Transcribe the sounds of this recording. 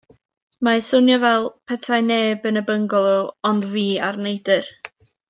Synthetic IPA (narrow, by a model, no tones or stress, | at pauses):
masʊnjɔvɛlˠpʰɛtʰajneːbənəbəŋɡɔlˠɔɔndviːarnejdɨr